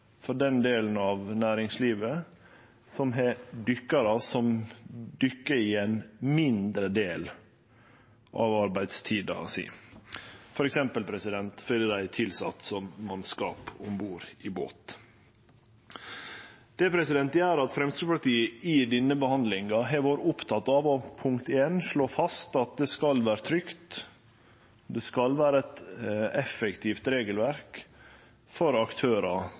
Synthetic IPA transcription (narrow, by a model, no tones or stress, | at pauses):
fɔɖɛnd̪eːln̩ɑːʋnæːɾɪŋsliːʋə | sɔmɦɛɖ̪ʏkːɑɾɑsɔmd̪ʏkːəɪɛnmɪnd̪ɾəd̪eːl | ʔɑ̰ʋɑɾbæɪd̪st̪ʰiːd̪ɑ̰sḭː | fɔɾɛksɛmpəlpʰɾɛsɪd̪ɛnt̪fœləd̪æɪt̪ʰɪlsɑ̰t̪sɔmːɑnskɑ̰ːpɔ̰mbuːɾɪbo̰ːt̪ | d̪̥ɛpʰɾɛsɪd̪ɛnt̪jæːɾɑt̪fɾɛmst̪ʉpɑɾt̪iːəid̪ɛnːəbəhɑnd̪lɪŋɑɦɛʋɑːɾəʊpt̪ʰɑt̪ːɑʋɔpʰʊŋkt̪eːnʂɭoːfɑst̪ɑt̪̚d̪ɛskɑlʋæːɾət̪ʰɾʏkt̪ | d̪ɛskɑlʋæːɾəɛt̪ɛfɛkt̪ʰift̪ɾeːɡəlʋæɾk | fɔɾɑkt̪ʰøːɾɑ